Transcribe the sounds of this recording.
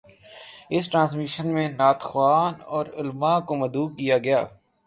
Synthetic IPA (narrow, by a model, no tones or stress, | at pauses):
ɪsʈɾãːs̬miʃənmẽnaːt̪xwaːnɔːɾʊlmakomɐd̪uːk̚kijaɡɐjaː